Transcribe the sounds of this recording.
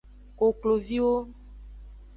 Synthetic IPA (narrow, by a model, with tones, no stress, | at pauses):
ko˨klo˨vi˦wo˦